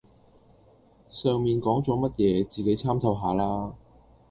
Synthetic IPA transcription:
sœː˨˧ŋmiː˨nkɔː˨˥ŋt͡sɔː˨˥mɐ˥t̚jɛː˨˧t͡siː˨ke˨˥jt͡sʰaː˥mt̪ʰɐ˧wɦaː˨˥laː˥

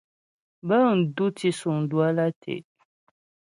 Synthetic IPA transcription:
bə˦n̩˨du˦ti˨su˨ŋ̩˨du˦a˦la˦tʰḛ˨

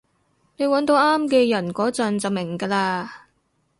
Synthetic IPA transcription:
ne˨˧jwɐ˨˥nt̪o˨˧wʔaː˥mkɛː˧jɐ˨˩nkɔː˨˥t͡sɐ˨˧nt͡sɐ˨wmɪ˨˩ŋkaː˧laː˧

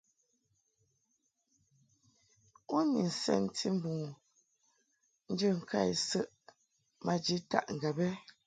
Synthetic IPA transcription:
u˦ni˨n̩˨sɛ̰˨n˦tʰi˦m̩˦bu˨ | n̩˦d͡ʒə˦˨ŋ̩˨kʰa˦˨jsə˦ʔ | mʔa˨d͡ʒi˨˦ta̰˦ʔŋ˨ɡa˨bɛ˦

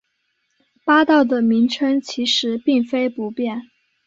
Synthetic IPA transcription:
pa˥t̪ɑ˥˩ʊd̪ə˩mi˧˥ŋʈ͡ʂʰə˥ŋt͡ɕʰi˧˥ʂɻ̩˧˥pi˥˩ŋfe˥ɪpu˧˥pjɛ˥˩n

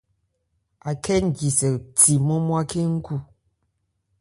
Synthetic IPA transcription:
a˨kɛ˦n̩˨d͡ʒi˨sɛ˨ti˨mɔ˦mwa˦ke˦ŋ̩˦ku˦˨

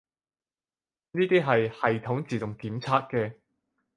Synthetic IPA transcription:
niː˥t̪iː˥ɦɐ˨jhɐ˨jt̪ʰʊ˨˥ŋt͡siː˨˩t̪ʊ˨ŋkiː˨˥mt͡sʰaː˥t̚kɛː˧

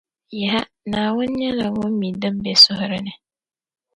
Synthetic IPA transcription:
jɪ˨ɦa˦ | nãː˨wʊ̃˦n˦ɲɛ˦la˨wʊ̃˦m˦mĩ˨dɪ̃˦m˦bɛ˦˨sʊ˦hʊ˦ɾɪ˦nɪ̃˨

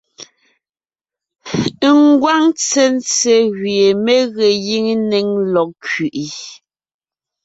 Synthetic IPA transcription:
ŋ˦ɡwa˦ŋt͡se˦n˦t͡se˨ɣɥe˨me˦ɣe˨ji˦ŋ˦ne˨˦ŋlɔ˨k̚kɥi˨ʔi˨

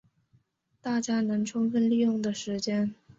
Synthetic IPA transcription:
t̪a˥˩t͡ɕja˥nɤ˧˥ŋʈ͡ʂʰʊ˥ŋfə˥nli˥˧jʊ˥˩ŋd̪ə˩ʂɻ̩˧˥t͡ɕjɛ˥n

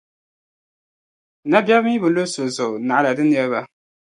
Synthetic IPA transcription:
na˦bjɛ˦bmi˦bɨ˨lo˦so˨zʊ˨na˨ʔa˦la˨dɨ˦nɛ˦ɾba˦

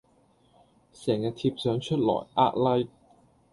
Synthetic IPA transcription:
sɛː˨˩ŋjaː˧t̪ʰiː˧p̚sœː˨˥ŋt͡ʃʰɵ˥t̚lɔ̰ː˨˩jʔa̰ː˥t̚lɐ˥j

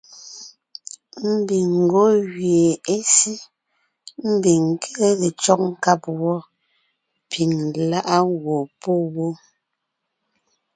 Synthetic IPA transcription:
m̩˦bi˨ŋŋ̩˨ɡo˦ɣɥje˨e˦si˦ | m̩˦bi˨ŋ˨kʰe˦ɣe˨t͡ʃɔ˦k̚ŋ̩˦ka˦pwɔ˦ | pʰi˨ŋla˦ʔa˦wo˨po˦wo˦

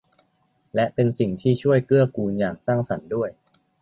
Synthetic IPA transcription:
lɛ˦˥ʔpe˧nsi˨˩ŋt̪ʰiː˥˩t͡ɕʰu˥˩əjkɯ˥˩ɐkuː˧njaː˨˩ŋsaː˥˩ŋsa˩˦ndu˥˩əj

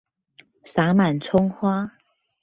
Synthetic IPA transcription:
sa˨˧˥ma˨˩nt͡sʰʊ˥ŋxwa˥

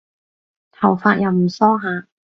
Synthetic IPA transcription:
t̪ʰɐ˨˩wfaː˧t̚jɐ˨˩wm̩˨˩sɔː˥ɦaː˨˧

